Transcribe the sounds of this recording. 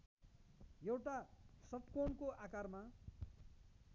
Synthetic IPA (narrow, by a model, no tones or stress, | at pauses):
jewʈasʌt̪konkoʔakarma